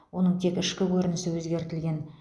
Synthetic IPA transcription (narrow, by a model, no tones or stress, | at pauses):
wo̞nəɴt̪ʰe̞kɪʃkʲɪkʲʰɵɾɪnɪsɪwɵzɡʲe̞ɾt̪ɪlɡʲe̞n